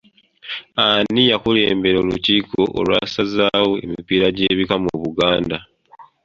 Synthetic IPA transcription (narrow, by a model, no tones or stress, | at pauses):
anijakule̞ːmbe̞ɾoːluciːko̞ʔo̰ːlwaːsazaːwoe̞̰mipiːɾaɟe̞ːβikamoβuɡaːnda